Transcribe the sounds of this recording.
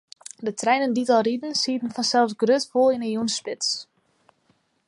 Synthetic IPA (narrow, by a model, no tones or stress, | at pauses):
dətrɛjnənditɔlˠridən̩siətən̩fɔnsɛlˠfsɡrøtfolˠinəjunspɪts